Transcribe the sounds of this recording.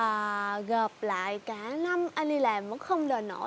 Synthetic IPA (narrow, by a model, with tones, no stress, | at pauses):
əː˨˩ɣəː˨˩p̚la̰ː˧˨jkaː˨˧˦na˧mʔaː˧jni˧laː˨˩mvə̰ː˧˥nxə˧wŋ͡mɗəː˨˩no̰˧˥